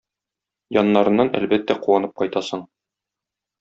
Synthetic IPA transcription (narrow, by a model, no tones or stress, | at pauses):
jɒnːɑɾɤ̆nːɑnæ̰lbæt̪ːæquwɑnɤp̚qɒjt̪ɑsɤɴ